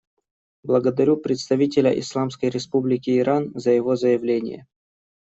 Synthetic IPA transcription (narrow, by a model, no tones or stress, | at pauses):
blˠəɡəd̪ɐɾʲupɾʲɪt̪st̪ɐvʲitʲɪlʲə̰ʔɪ̰slˠamskəjɾʲɪspublʲɪkʲɪːɾʔanzəjɪvo̞zəjɪvlʲenʲɪ̰jə̰